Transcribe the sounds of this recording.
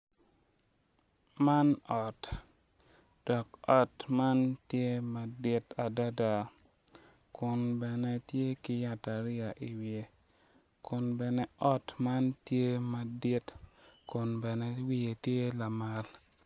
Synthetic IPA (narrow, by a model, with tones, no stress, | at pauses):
ma˦nɔ˨t | d̥ɔ˨kɔ˨tma˦ntje˦ma˨dɪ˦ta˨da˦da˨ | kʊ˨nbɛ˨nɛ˦tje˦ki˦ja˦ta˨ɾɪ˦a˨ʔi˨wije˨ | kʊ˨nbɛ˨nɛ˦ʔɔ˦tma˦ntje˦ma˨dɪ˦tkʊ˨nbɛ˨nɛ˦wi˦e˨tje˦la˨ma˨l